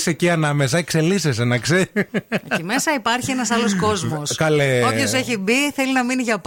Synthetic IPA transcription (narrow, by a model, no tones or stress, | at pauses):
seciɐnɐme̞s̬ɐekse̞lises̬enɐkse | ime̞sɐipɐɾçienɐsɐlosko̞zmoskɐleopçoseçibiθelinɐminiʝɐp